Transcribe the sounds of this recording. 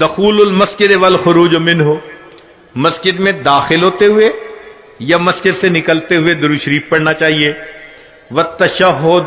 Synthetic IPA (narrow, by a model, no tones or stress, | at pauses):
d̪ɐxuːlʊlmɐsd͡ʒɪd̪eʋɐlxʊɾuːd͡ʒomɪ̃nɦoː | mɐsd͡ʒɪd̪mẽd̪aːxɪlɦoːt̪eɦʊe | jamɐsd͡ʒɪd̪senɪkəlt̪eɦʊed̪ʊɾuʃɾiːfpɐɽnat͡ʃaːɦie | ʋɐt̪ːɐʃɐɦʊd̪